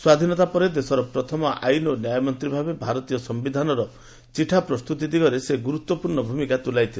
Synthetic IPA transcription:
swad̪ʱinɔt̪apɔɾed̪esɔɾɔpɾɔt̪ʰɔmɔʔa̰jnɔnjajɔmɔnt̪ɾibʱabebʱaɾɔt̪ijɔsɔmbid̪ʱanɔɾɔ | t͡ʃiʈʰapɾɔst̪ut̪id̪iɡɔɾeseɡuɾut̪wɔpuɾɳɔbʱumikat̪ulajt̪ʰil

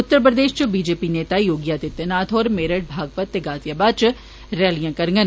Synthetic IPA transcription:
ʊt̪ːəɾpɾəd̪eːʃt͡ʃbiːd͡ʒeːpineːt̪aːjoːɡijaːt̪ɪt̪ːənaːt̪ʰoːɾmeːɾəʈ̚bʱaːɡ̚pət̪ːeɡaːt̪jabaːt͡ʃ | ɾɛːlijãːkɐɾŋɡən

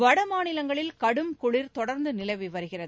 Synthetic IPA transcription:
ʋɐɽɐmaːnɪlɐŋɡɐɭɪlkɐɽɯmkʊɭɪɾt̪ɔɽɐɾnd̪ɯnɪlɐɪʋiʋɐɾɯɣɪrɐðɯ

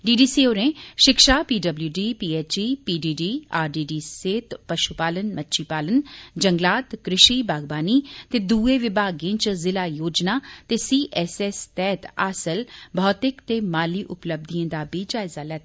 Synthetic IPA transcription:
ɖiːɖiːsiːoːɾẽːʃɪkʃaːpiːɖəbljuːɖiːpiːeːt͡ʃiːpiːɖiːɖiːaːɾɖiːɖiːseːt̪pəʃupaːlənmətːʃiːpaːlənd͡ʒəŋɡlaːt̪kɾɪʃiːbaːɡbaːniːt̪eːd̪uːeːʋɪbʱaːɡẽːt͡ʃzɪlaːjoːd͡ʒnaːt̪eːsiːʔɛːsɛːst̪ɛːt̪aːsəlbʱɔːt̪ɪkt̪eːmaːliːʔʊpləb̚d̪iə̃ːd̪aːbiːd͡ʒaːɪzaːlɛːt̪

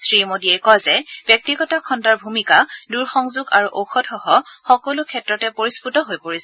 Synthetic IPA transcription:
sɹimodiɛkɔjzɛb̥jɔk̚tiɡɔtakʰɔntaɹbʱumikaduɹxɔŋzuɡaɹuʔoxʰɔtxɔɦɔxɔkɔlukʰɛtɹɔtɛpoɹisputɔɦojpoɹisɛ

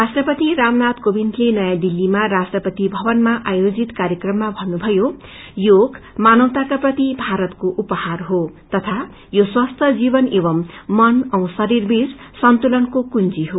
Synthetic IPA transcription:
rasʈrʌpʌt̪iɾamnat̪kobint̪lenʌjãd̪ilːimarasʈrʌpʌt̪ibʱʌbʌnmaʔajod͡zit̪kaɾjʌkrʌmːabʱʌnːubʱʌjo | joɡmanʌwt̪akaprʌt̪ibʱaɾʌt̪koʔupʌharɦot̪ʌt̪ʰa | joswast̪ʰʌd͡zibʌnebʌmːʌnʌw̃sʌɾirbissʌnt̪ulʌnkokunt͡siɦo

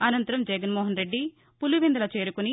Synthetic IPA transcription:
ɐnɐnt̪ɐɾɐmd͡ʒɛɡɐnmɔːɦɐnɾe̞ɖːi | puluʋind̪ɐlɐt͡ʃe̞ːɾukuni

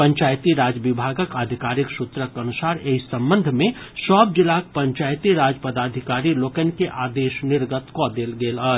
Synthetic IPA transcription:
pə̃ɲt͡ʃaːjt̪iɾaːd͡ʒəʋɪbʱaːɡəkad̪ʱɪkaːɾiksut̪ɾəkənusaːɾeisə̃mbə̃nd̪ʱmẽ | sɔːb̚d͡ʒɪlak̚pə̃ɲt͡ʃaːjt̪iɾaːd͡ʒpəd̪aːd̪ʱɪkaːɾiloːkənkeʔaːd̪eːʃnɪɾɡət̪kod̪eːlɡeːlə

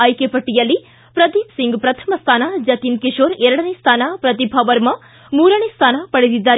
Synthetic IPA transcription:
ɐjkepɐʈːijɐlːi | pɾɐd̪iːpsiŋɡpɾɐt̪ʰɐ̥mɐst̪ʰaːnad͡ʒɐt̪iːnkiʂoːɾɛɾɐɽɐnest̪ʰaːnɐpɾɐt̪ibʱɐʋɐɾmɐ | muːɾɐnest̪ʰaːnɐpɐɽed̪id̪ːaːɾ

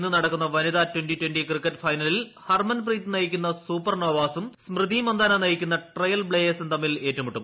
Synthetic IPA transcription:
nːɨnɐɽɐkːunːɐʋɐniðaːtwenʈitwendikrikːɐtːfɐjnɐlilhɐrmɐnpriːt̪ːɨnɐjikʲːunːɐsuːpːɐrnoːʋaːsumsmrɨd̪imɐnd̪aːnɐnɐjikʲːunːɐʈrɐjɐlbɭeːjesɨnt̪ɐmːile̞ːtːumuʈːum

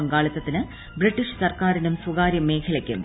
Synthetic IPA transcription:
ɐŋɡaːɭit̪ːɐt̪ːinɨ | briʈːiʂsɐrkaːɾinumsuɡaːɾjɐme̞ːkʰɐlɐkʲːṵm

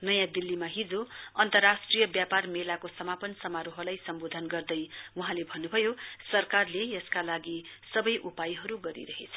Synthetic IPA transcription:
nʌjãd̪ilːimaɦid͡zoʌnt̪ʌrːasʈrijʌbjaparmelakosʌmapʌnsʌmaɾoɦʌlajsʌmbod̪ʱʌnɡʌrd̪ʌjuɦãlebʱʌnːubʱʌjosʌrkarlejʌskalaɡisʌbʌjʔupajɦʌɾuɡʌɾḭɾʌɦet͡sʰʌ̥

